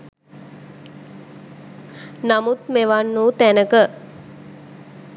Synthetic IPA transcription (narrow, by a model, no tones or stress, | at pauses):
namut̪̚meʋanːuːt̪ænəkə